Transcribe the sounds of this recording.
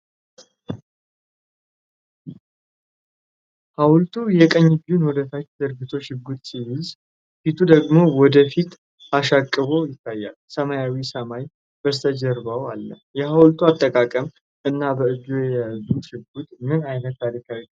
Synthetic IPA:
hawlt̪ʰujɛkʼəɲːɪd͡ʒunwɔd̪ət̪ʰat͡ʃːd̪ɨɾɡɨt̪ʰo̞ʃɪɡut̪siβils | fit̪ʰud̪əɡmo̞wɔd̪əfit̪ | aʃakʼːɨβo̞jɪt̪ːajːa̰lsəmajawisəmaj | bəst̪ʰəd͡ʒəɾbawalːə̰ | jɛhawlt̪ʰuat̪ʼːəkʼakʼəm | ɨnːabəɨd͡ʒujɛjazuʃɪɡut̪ʼmɨnajnət̪ʰːaɾikʰawi

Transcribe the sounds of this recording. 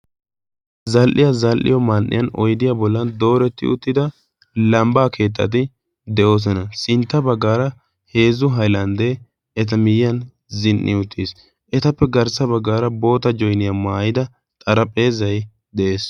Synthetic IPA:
zɐlʔɪjɐzɐlʔɪ̰jɔmanʔːɪ̰jɐnɔ̰jd̪ɪjabɔlːɐnd̪o̞ːɾɛt̪ːɪ̰ʊ̰t̪ːɪd̪ɐ | lɐmbaːkʰe̞ːt̪̬ːɐ̰t̪̬ɪ | d̪ɛʔo̞ːs̬ɔnɐsɪnt̪ːɐbɐɡːaːɾɐ | he̞ːzʊɦɐjlɐnd̪e | ɛt̪̬ɐmɪjɐn | zɪnʔːɪ̰ʊt̪ːis | ʔɛt̪ɐpːɛɡɐɾsɐbɐɡːaːɾɐbo̞ːt̪ɐd͡ʒɔjnɪjɐmaːjɪd̪ɐ | t̪ʼɐɾɐpʼːe̞ːzɐj | d̪ɛʔe̞ːs

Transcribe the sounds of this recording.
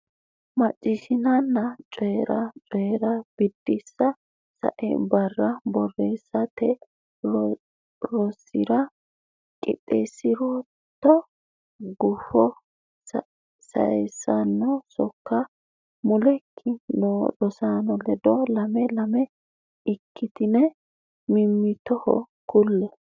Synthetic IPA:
mɐt͡ʃʼːɪʃɪnɐnːɐt͡ʃʼɔjɾɐt͡ʃʼɔjɾɐb̥ɪd̪ːɪsːɐ | sɐ̰ʔɛ̰bɐrːɐbɔrːeːsːɐt̪ɛ | ɾɔsːɪɾɐ | kʼɪ̰t̪ʼːesːɪɾo | t̪ːɔ | ɡʊfɔ | sɐ̰ɛsːɐnːɔsɔkːɐ | mʊlɛkʰːɪnod̪ɔsaːnɔlɛd̪ɔlɐmɛlɐmɛ | ɪkːɪt̪ɪnɛ | mɪmːɪt̪ɔhɔ̰ | kʊlːɛ

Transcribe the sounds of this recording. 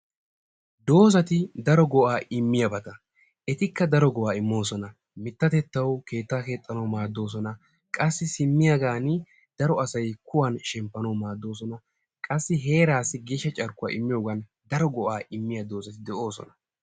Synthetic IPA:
d̪o̞ːzɐt̪ɪd̪ɐɾɔɡɔʔaːʔɪmːɪjɐbɐt̪ɐ | ʔɛt̪ɪkːɐd̪ɐɾɔɡɔʔaːɪmːo̞ːsɔnɐ | mɪt̪ːɐt̪ɛt̪ːɐwkʰe̞ːt̪ːaːke̞ːt̪ʼːɐnɐwmaːd̪ːo̞ːs̬ɔnɐ | kʼɐsːɪsɪmːɪjaɡaːn | d̪̥ɐɾɔɐsɐjkʊwɐnʃɛmpːɐnɐwmaːd̪ːo̞ːs̬ɔnɐ | kʼɐsːɪɦe̞ːɾaːsːɪɡeːʃːɐt͡ʃʼɐɾkʼʊwa̰ːʔɪmːɪjoːɡɐn | d̪ɐɾɔɡɔʔaːʔɪmːɪjɐd̪o̞ːzɐt̪ɪd̪ɛʔoːsɔ̰nɐ

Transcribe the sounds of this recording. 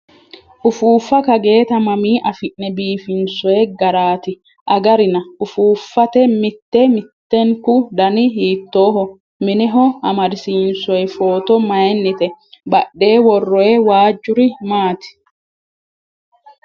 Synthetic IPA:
ʔʊfuːfːɐkɐɡe̞ːt̪ɐmɐmiːʔɐfɪʔnɛbiːfɪnsɔjɛɡɐɾaːt̪ɪ | ʔɐɡɐɾɪnɐʊfuːfːɐt̪ɛmɪt̪ːɛmɪt̪ːɛŋkʊd̪ɐnɪɦiːt̪ːo̞ːɦɔ | mɪnɛɦɔɐmɐɾɪsiːnsɔjɛfo̞ːt̪ɔmɐjnːɪt̪ɛbɐɗːe̞ːwɔrːɔjɛwaːd͡ʒːʊɾɪmaːt̪ɪ̥

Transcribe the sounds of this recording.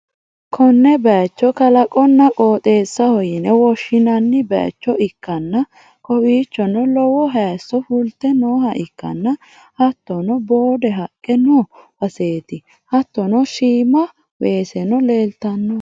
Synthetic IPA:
kʰɔnːɛbɛt͡ʃːɔkɐlɐkʼɔnːɐkʼoːt̪ʼe̞ːsːɐhɔjɪnɛwɔʃːɪnɐnːɪbɛ̰t͡ʃːɔɪkːɐnːɐ | kɔwiːt͡ʃːɔnɔlɔwɔɦɛːsːɔfʊlt̪ːɛnoːɦɐʔɪkːɐ̰nːɐ | hɐt̪ːɔnɔbo̞ːd̪ɛɦɐkʼːɛnɔwɐse̞ːt̪ɪ | hɐt̪ːɔnɔʃiːmɐ | we̞ːsɛnɔle̞ːlt̪ɐnːɔ

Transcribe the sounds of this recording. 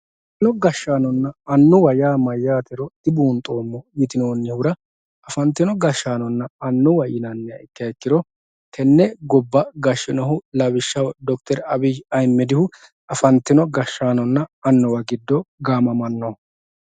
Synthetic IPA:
ɪnɔɡɐʃːaːnɔnːɐːnːʊwɐjaːmɐjːaːt̪ɛɾɔd̪̥ɪbuːnt̪ʼo̞ːmːɔjɪt̪ɪnoːnːɪhʊɾɐ | ɐfɐnt̪ːɪnɔɡɐʃːaːnɔnːɐɐnːʊwɐjɪnɐnːɛɪkːɪɐɛkːɪɾɔ | t̪ʰɛnːɛɡɔbːɐɡɐʃːɪnɔɦʊlɐbɪʃːɐwd̪ɔkt̪ɛɾɐbɪd͡ʒɐjmːɛd̪ɪhʊ | ɐfɐnt̪ːɪnɔɡɐʃːaːnɔnːɐɐnːɔwɐɡɪd̪ːɔɡaːmɐmɐnːɔ

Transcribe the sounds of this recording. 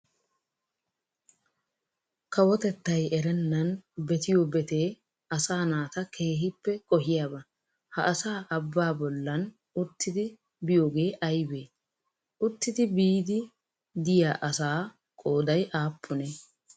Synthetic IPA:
kɐwɔt̪ɛt̪ːɐjɛɾɛnːɐnbɛt̪ɪjoːbɛt̪e̞ː | ɐsaːnaːt̪ɐkʰe̞ːɦɪpːɛkʼɔɦɪjaːbɐ | hɐʔɐsaːʔɐbːaːbɔlːɐn | ʊt̪ːɪd̪ɪ | bɪjoːɡe̞ːʔɐjbeː | ʊt̪ːɪd̪ɪbiːd̪ɪ | d̪ɪjaːʔɐsaː | kʼo̞ːd̪ɐjʔaːpːʊne

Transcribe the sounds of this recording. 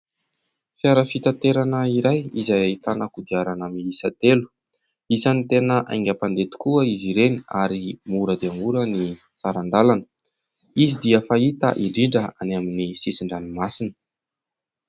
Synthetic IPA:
fiaɾəfit̪at̪eɾanəiɾajizajait̪anəkud̪iaɾanəmiisat̪elu̥ | izanit̪enəʔa̰jŋɡʲapand̪et̪u̥kuəiziɾeniaɾimuɾəd̪eaŋuɾəni | t͡saɾand̪alanə | izid̪iəfait̪a̰ʔiɳɖ͡ʐiɳɖ͡ʐəa̰naminisisiɳɖ͡ʐanimasinə̥

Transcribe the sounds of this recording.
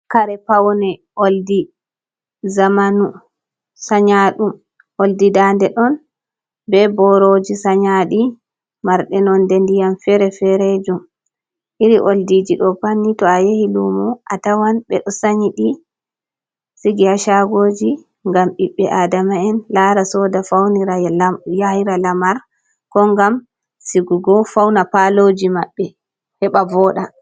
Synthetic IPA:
kaɾɛpawnɛʔoldi | zamanu | saɲaɗum | ʔoldidandɛɗɔn | bɛbɔɾod͡ʒisaɲaɗi | maɾɗɛnɔndendijamfɛɾɛfɛɾed͡ʒum | ʔiɾiʔoldid͡ʒiɗɔpanːitɔajehilumuʔatawanɓɛ̰ɗɔsaɲiɗi | siɡihaʃaɡod͡ʒi | ŋɡamʔiɓːɛʔadamaɛnlaɾasɔdafawniɾajahiɾalamaɾ | kɔŋɡam | siɡuɡɔfawnapalod͡ʒimaɓːɛ | hɛɓavɔɗa

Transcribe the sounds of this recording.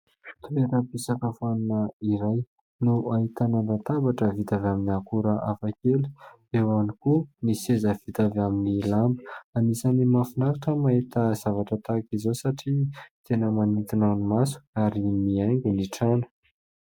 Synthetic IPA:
t̪ueɾəpisakəfanunəiɾaj | nuʔait̪anand̪at̪abaʈ͡ʂəvit̪avaminiakuɾəʔafakelu̥ | ewanikunisezəv̥it̪avaminilambəanisanimafinaɾaʈ͡ʂəmaet̪əzavaʈ͡ʂət̪akizosaʈ͡ʂit̪ʰenəmanit̪inanumasu̥aɾimiajŋɡuniʈ͡ʂanə̥

